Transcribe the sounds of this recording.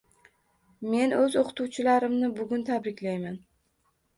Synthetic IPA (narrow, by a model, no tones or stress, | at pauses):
me̞nɵzoqʰɨ̥t̪ʰuwt͡ʃʰɪlaɾɪmnɪbʊɡʲʊnt̪ʰabɾɪkʲʰlajman